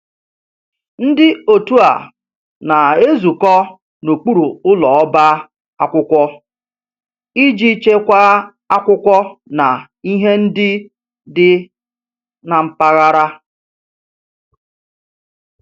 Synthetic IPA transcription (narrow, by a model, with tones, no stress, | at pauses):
n̩˦dɪ˦o˨tu˦a̰˨ | na˨e˦zu˨kɔ˦ | no˨k͡pu˦ɾu˨ʊ˦lɔ˨ɔ˦ba˦ | a˦kʷʊ˦kʷɔ˦ | i˦d͡ʒi˦t͡ʃe˦kʷa˦ | a˦kʷʊ˦kʷɔ˦na˨ | i˦ɦe˦n̩˦dɪ˦ | dɪ˦ | na˨m̩˨pa˦ɣa˦ɾa˦